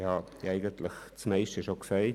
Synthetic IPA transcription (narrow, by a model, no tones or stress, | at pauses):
hɑ | æɪɡəntlɪxt͡smɛɪʃtəʃoksæɪ